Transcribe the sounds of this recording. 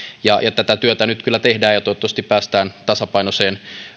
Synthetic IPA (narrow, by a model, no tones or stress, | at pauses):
jɑjɑt̪æt̪æt̪yøt̪ænyt̪kylːæt̪ehdæːjɑt̪oet̪ːˑɑst̪ippæːst̪æːnt̪ɑsɑpɑinoseːn